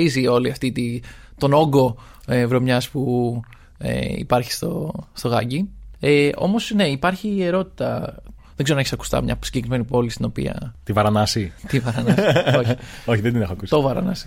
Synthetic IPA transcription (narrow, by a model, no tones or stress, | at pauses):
izio̞liɐft̪it̪i | t̪o̞no̞ɡo̞ | evɾo̞mɲɐspu | ḛḭpɐɾçi̥st̪ost̪o̞ɣɐɟieo̞̰mo̞sne̞ipɐɾçieɾo̞t̪i̥t̪ɐ̰ | ðeɡzeoneçisɐku̥st̪ɐ̰mɲɐ̰si̥ɲɟe̞kɾime̞nipo̞list̪ino̞pḭɐ̰t̪ivɐɾɐnɐsit̪ivɐɾɐnɐsooçiðed̪inexoɐkusit̪ovɐɾɐnɐsi̥